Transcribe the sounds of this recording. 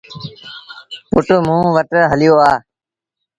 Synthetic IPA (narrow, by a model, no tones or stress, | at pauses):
pʊʈʊmũːʋəʈɦəlɪjoːaː